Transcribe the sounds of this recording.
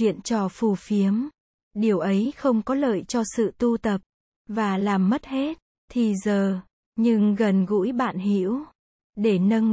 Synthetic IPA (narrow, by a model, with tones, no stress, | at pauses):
ḭ˧˨ənt͡ɕɔ˧fu˨˩fi˨˦əm | ɗi˨˩əwʔə˨˦jxə˧wŋ͡mkɔ˨˦lə̰ː˧˨jt͡ɕɔ˧sɨ̰˧˨t̪u˧t̪ə˨˩p̚ | vaː˨˩laː˨˩mːə˦˥t̚he˦˥t̚ | t̪ʰi˨˩zəː˨˩ | ɲɨ˧ŋɣə˨˩nɣṵ˧˥jɓa̰ː˧˨nhḭ˧˥əw | ɗe˧˩nə˧n